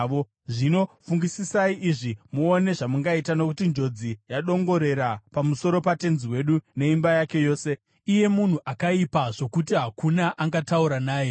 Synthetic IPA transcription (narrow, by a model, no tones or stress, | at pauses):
o | ʐino̞fuŋɡisisaiʔiʐimuone̞ʐamuŋɡaitano̞kutind͡ʒo̞d͡zijaɗo̞ŋɡo̞ɾe̞ɾapamuso̞ɾo̞pate̞nziwe̞ɗune̞imbajake̞jo̞ːse̞ | ije̞mun̤uʔakaipaʐo̞kutiɦakunaʔaŋɡatauɾanaːje